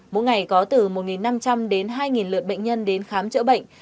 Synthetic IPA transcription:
mo̰˧˥ŋa˨˩jkɔ˨˦t̪ɨ˨˩mo˨˩t̚ŋi˨˩nːa˧mt͡ɕa˧mɗe˨˦nɦaː˧jŋi˨˩nlɨ˨˩əɓə̰˧˨ŋ̟ɲə˧nɗe˨˦nxaː˨˦mt͡ɕə̰˧˥ɓə̰˧˨jŋ̟

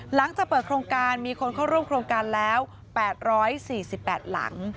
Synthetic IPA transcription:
la˩˦ŋt͡ɕaː˨˩kpːɤː˨˩t̪̚kʰɾoː˧ŋkaː˧nmiː˧kʰo˧nkʰa˥˩wɾu˥˩˨mkʰɾoː˧ŋkaː˧nlɛː˦˥w | pɛː˨˩t̪̚ɾɔː˦˥jsiː˨˩si˨˩pːɛː˨˩t̪̚la̰˩˦ŋ

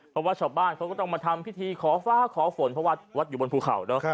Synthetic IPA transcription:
pʰɔ˦˥waː˥˩t͡ɕʰaː˧wbaː˥˩nkʰa˦˥wkɔ˥˩t̪ɔ˥˩ŋmaː˧t̪ʰa˧mpʰi˦˥˩t̪ʰiː˧kʰɔː˩˦faː˦˧˥kʰɔː˨˩˦fo˨˩˦npʰɾɔ˦˥waː˧˩wa˦˥t̪̚juː˨˩bo˧npʰuː˧kʰa̰˨˩wnɔ˦˥˧

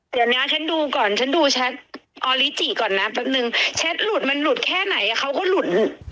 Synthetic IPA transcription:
t̪ɯ˨˦nːa˦˥t͡ɕʰa˦˥nduː˧kɔː˨˩nt͡ɕʰa˦˥nduː˧t͡ɕʰɛ˦˥t̪̚ʔɔː˧li˦˥t͡ɕiː˨˩kɔː˨˩nːa˦˥ba˨˧˩t̚nɯ˨˧ŋt͡ɕʰe˦˥t̪̚lu˨˩t̪̚ma˧nlu˨˩t̪̚kʰɛː˥˩na˨˩˦jʔa˨˩kʰa˦˥wkɔː˥˩lu˨˩t̪̚

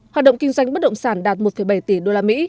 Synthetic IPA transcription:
hwaː˨˩t̚ɗə̰˧˨ŋ͡mkï˧ŋ̟zwa˧jŋ̟ɓə˦˥t̚ɗə̰˧˨ŋ͡msaː˧˩nɗaː˨˩t̚mo˨˩t̚fə˧˩jɓa˧˩jt̪i˧˩ɗo˧laː˧mḭ˧˥

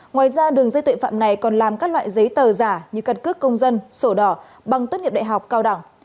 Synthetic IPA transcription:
ŋwaː˨jzaː˧ɗɨ˨˩əŋzə˧jt̪ɨ̰˧˨fa̰ː˧˨mna˨˩jkɔ˨˩nlaː˨˩mkaː˦˥k̚lwa̰ː˧˨jzə˨˦jt̪əː˨˩zaː˧˩ɲɨ˧˩kə˧nkɨ˦˥əkːə˧wŋ͡mzə˧nso˧˩ɗɔ˧˩ | ɓa˨˩ŋt̪wə˦˥t̚ŋi˨˩p̚ɗa̰ː˧˨jɦa˨˩wk͡p̚kaː˧wɗa˧˩ŋ

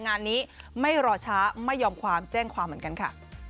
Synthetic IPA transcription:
ŋaː˧nːiː˦˥ma˥˩jɾɔː˧t͡ɕʰaː˦˥ma˥˩jːɔː˧mkʰwaː˧mt͡ɕɛː˥˩ŋkʰwaː˧mːɯ˩˦ŋka˧nkʰa̰˥˩

